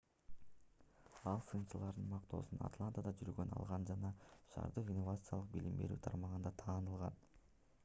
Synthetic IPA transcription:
ɑlˠsɯnst͡ʃəlˠɑɾd̪ɯnmɑqt̪o̞̰ːsuna̰t̪lˠant̪əd̪ɑd͡ʒyɾɡønɑ̰lˠʁɑnd͡ʒɑnɑʃɑ̰ɾd̪ɯqinːovat̪sɨjalˠɯqbilimbe̞̰ɾy̰ːt̪ʰɑɾmɑʁɯnd̪ɑt̪ʰɑːnɯlˠʁɑn

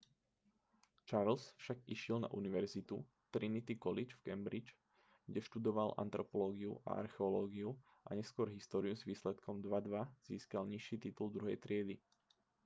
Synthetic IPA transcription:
t͡ʃaɾlsfʃaɡiʃɪɛlna̰ʔuniʋɛɾzit̪u | t̪ɾinit̪ikɔlit͡ʃfkɛmbɾit͡ʃ | ɡɟɛʃt̪ud̪ɔʋalʔa̰nt̪ɾɔpɔlɔːɡiṵʔa̰a̰ɾxɛɔlɔːɡiu | ʔa̰ɲɛskʊɔɾɦist̪ɔːɾiuzʋiːslɛt̪kʰɔmd̪ʋad̪ʋaz̥iːskalɲiʃːiːt̪it̪uld̪ɾuɦɛjt̪ɾɪɛd̪i

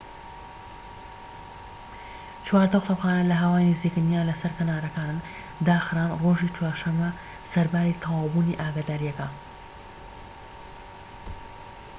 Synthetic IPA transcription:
t͡ʃwaːɾt̪əxt̪ɐpxaːnɐlɐɦawaːjnɨziːkɨnijaːnlɐsɐɾkɐnaːɾɐkaːnɨn | d̪aːxɨɾaːnroːʒiːt͡ʃwaːɾʃɐmːɐ | sɐɾbaːɾiːt̪ʰɑwɑːbuːniʔaːɡaːd̪aːɾijɐkɐ

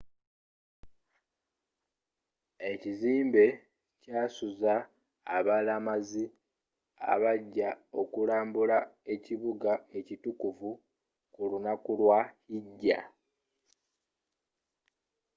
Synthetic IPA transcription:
e̞ciziːmbe̞ | caːsuza̰ː | βalamazi | a̰βaɟːao̞kulaːmbulae̞ciβuɡae̞citukuvu | kulunakulwahiɟːa̰

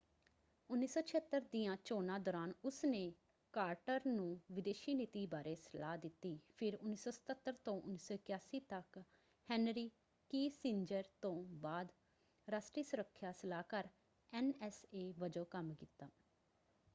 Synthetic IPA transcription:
ʊnːiːsoːt͡ʃʰət̪ːəɾd̪iːãːt͡ʃoːnãːd̪ɔːɾaːnʊsneː | kaːɾʈəɾnũːʋɪd̪eːʃiːnɪt̪iːbaːɾeːsəlaːd̪ɪt̪ːiːpʰɪɾʊnːiːsoːsə̥t̪ət̪ːəɾt̪õːʔʊnːiːsoːkjaːsiːt̪ək | hɛːnɾiː | kiːsɪɲd͡ʒəɾt̪õːbaːd̪ | ɾaːsʈɾiːsʊɾəkʰːjaːsəlaːkəɾ | ɛːnɛːseːʋəd͡ʒoːkəmkiːt̪ːaː

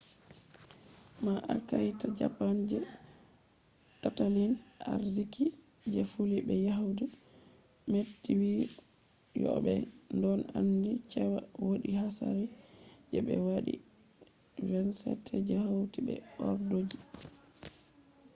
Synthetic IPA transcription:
maʔakajtad͡ʒa̰pand͡ʒɛ | tatalina̰ɾziki | d͡ʒɛfulibɛjaɦudi | metːiwi | jɔ̰ɓɛndɔnandit͡ʃɛwawoɗiɦasa̰ɾɛd͡ʒɛɓɛ̰waɗḭ | vɛnsɛ̰tʰɛd͡ʒahawtibɛ̰ɔɾdod͡ʒi

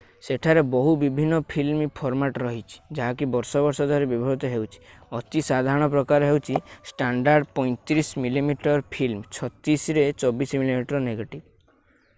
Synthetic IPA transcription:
seʈʰaɾebɔɦubibʱinːɔpʰilmipʰɔɾmaʈɾɔɦit͡ʃʰi̥d͡ʒaɦakibɔɾsɔbɔɾsɔd̪ʱwaɾebibʱɔɾit̪ɔɦewt͡ʃʰi̥ɔt̪isad̪ʱaɾɔɽ̃ɔpɾɔkaɾɔɦewt͡ʃʰisʈaɳɖaɾɖpɔj̃t̪iɾismilimiʈɔɾpʰilmt͡ʃʰɔt̪isɾet͡ʃɔbismilimiʈɔɾɔneɡeʈib

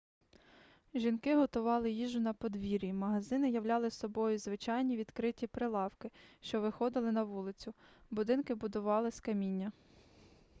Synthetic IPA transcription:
ʒʲinkɪɦɔt̪ʊʋɑlˠɪjiʒʊnɐpɔd̪ʋʲiɾʲimɐɦɐzɪnɪjɐʋlʲɑlˠɪsɔbɔjʊzʋɪt͡ʃɑjnʲiʋʲid̪kɾɪtʲipɾɪlˠɑwkɪʃt͡ʃɔʋɪxɔd̪ɪlˠɪnɐʋulˠɪt͡sʲʊbʊd̪ɪnkɪbʊd̪ʊʋɑlˠɪskɐmʲinʲːɐ

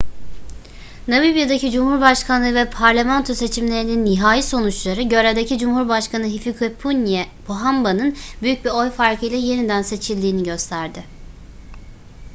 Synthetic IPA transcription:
navibijad̪acid͡ʒumhuɾbaʃkʰanlˠɯvɛpʰaɾlʲemant̪ʰo̞se̞t͡ʃʰimlʲe̞ɾininːiɦaːjiso̞nut͡ʃlˠaɾɯɟø̞ɾed̪ecʰid͡ʒumhuɾbaʃkʰanɯɦifikʰepʰunʲɛbʰoɦambanɯnbyjyc̚biɾo̞jfaɾkʰɯjlʲˠɛje̞nid̪ænse̞t͡ʃʰilʲd̪iːniɟø̞st̪ʰæɾd̪ɪ

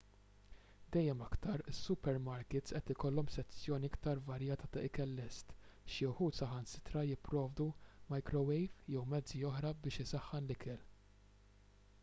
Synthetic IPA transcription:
d̪ɛjːɛmɐkt̪ɐɾɪsːʊpɛɾmɐɾkɪt̪sʔɛt̪ɪkɔlːɔmsɛt͡sːjɔːniɪkt̪ɐɾvɐɾjɐːt̪ɐt̪ɐɪkɛlːɛst̪ʃiʊħuːt̪sɐħɐnsɪ̥t̪ɾɐjɪpːɾɔːvd̪umɐjkɾɔwɛjvjɛwmɛd͡zːiɔħɾɐbɪːʃɪsɐħːɐnlɪkʰɛl

